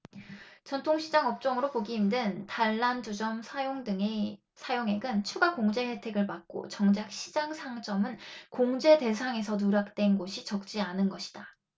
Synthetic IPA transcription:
t͡ɕʌntʰoŋɕʰid͡ʑaŋʌp̚t͡ɕ͈ʌŋɯɾopoɡiːmdɯntaɭːand͡ʑud͡ʑʌmsʰajoŋdɯŋe | sʰajoŋe̞ɡɯnt͡ɕʰuɡakoŋd͡ʑe̞he̞tʰe̞ɡɯɭpak̚k͈o̰t͡ɕʌŋd͡ʑak̚ɕʰid͡ʑaŋsʰaŋt͡ɕ͈ʌmɯnkoŋd͡ʑe̞de̞sʰaŋe̞sʰʌnuɾak̚t͈we̞nɡoɕʰit͡ɕʌk̚t͡ɕ͈ianɯnɡʌɕʰi̥d̥a

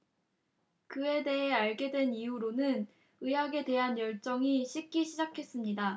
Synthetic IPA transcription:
kɯe̞de̞ɦe̞aɭɡe̞dwe̞nijuɾonɯn | ɯjaɡe̞de̞ɦanjʌɭt͡ɕ͈ʌŋiɕʰik̚k͈iɕʰid͡ʑakʰe̞s͈ɯmɲida

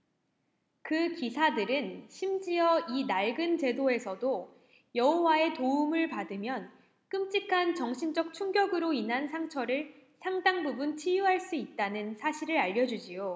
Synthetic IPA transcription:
kɯkisʰadɯɾɯnɕʰimd͡ʑiʌinaɭɡɯnt͡ɕe̞doe̞sʰʌdo | jʌɦowae̞toumɯɭpadɯmjʌn | k͈ɯmt͡ɕ͈ikʰant͡ɕʌŋɕʰind͡ʑʌk̚t͡ɕʰuŋɡjʌɡɯɾoinɦansʰaŋt͡ɕʰʌɾɯɭ | sʰaŋdaŋbubunt͡ɕʰijuɦaɭs͈uit̚t͈anɯnsʰaɕʰiɾɯɾaʎːʌd͡ʑud͡ʑijo

